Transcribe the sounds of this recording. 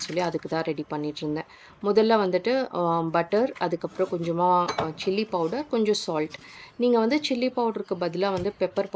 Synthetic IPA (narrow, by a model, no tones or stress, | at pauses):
sɔlːiɐðɯkːɯt̪ãːɾɛɽipɐɳːɪʈːɾɯnd̪ẽː | mɔðɐlːaːʋɐnd̪ɯʈːɯbɐʈːɐɾɐðɯkːɐpːɯɾõkɔɲd͡ʒɐmaːt͡ʃɪlːipɐʊɽɐɾkɔɲd͡ʒɔ̃saːlʈniːŋɡɐʋɐnd̪ɯt͡ʃɪlːipɐʊʈɾɯkːɯbɐðɪlaːʋɐnd̪ɯpɛpːɐɾp